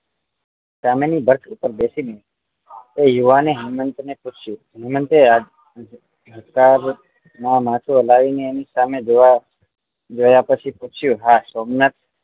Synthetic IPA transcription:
samenibʱəɾt̪ʰupəɾbesine | ejuʋaneɦəmənt̪neput͡ʃʰju | mənt̪ea | ɦəkaɾ | namãt̪ʰuəlaʋineːnisamed͡ʒoʋa | d͡ʒojapət͡ʃʰiput͡ʃʰjũɦasomnat̪̚

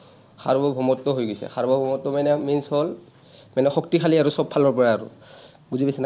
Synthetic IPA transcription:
xʰa̰ɹbɔbʱɔmɔtːɔɦojɡɔjsɛ̰xaɹbɔbʱɔmɔtːɔmanɛminshɔl | manɛxɔk̚tikʰaliaɹusɔbʰalɔɹpɔɹaːɹʊ̰ | ɡuzibasina

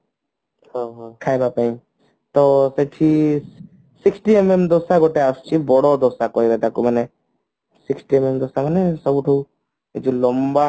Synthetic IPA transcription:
hoɦkʰaːjbapaĩ | t̪oseʈʰi | sɪksʈiememd̪oːsaɡoʈeast͡ʃʰibɔɽod̪oːsakoiɾet̪akuməne | sɪksʈiememd̪oːsamənesəbuʈʰṵ | d͡ʒulomba

